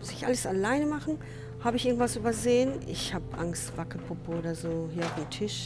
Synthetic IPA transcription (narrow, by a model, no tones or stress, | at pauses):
sɪçʔa̰ləsalaɪnəmaχn̩ | haːbəɪçɪɡŋ̩tv̥asʔyːbɐzeːənɪ̰çhaːbəʔaŋstv̥akl̩pʰʊpəʔoːdɐzoːhiːɐaʊfdemtʰɪʃ